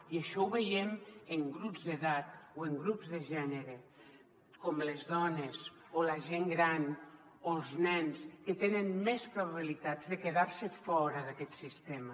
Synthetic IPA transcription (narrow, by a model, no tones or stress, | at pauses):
iəʃɔuβejeməŋɡɾupzðeðat̪̚oeŋɡɾupzðeʒɛneɾe | komlezðɔnez | olaʒeŋɡɾan | olˠznɛnskət̪enənmɛspɾoβaβilit̪azðekeðaɾsəfɔɾəðakɛt̪sist̪ema